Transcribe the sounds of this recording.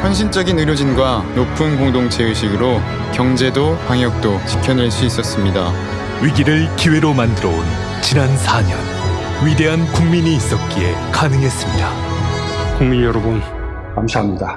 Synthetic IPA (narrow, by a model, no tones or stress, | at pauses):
ɸjʌnɕ̬ʰint͡ɕ͈ʌɡinɯɾjod͡ʑinɡwanopʰunkoŋdoŋt͡ɕʰe̞ɯɕʰiɡɯɾo | kjʌŋd͡ʑe̞dopaŋjʌk̚t͈ot͡ɕi̥kʰjʌnɯɭs͈uis͈ʌs͈ɯmɲida | ɥiɡiɾɯɭkiwe̞ɾomandɯɾʌon | t͡ɕinansʰaɲʌ̰n | ɥide̞ɦankuŋmiɲiːs͈ʌt̚k͈ie̞kanɯŋɦe̞s͈ɯmɲida | kuŋmiɲjʌɾʌbun | kamsaɦamɲida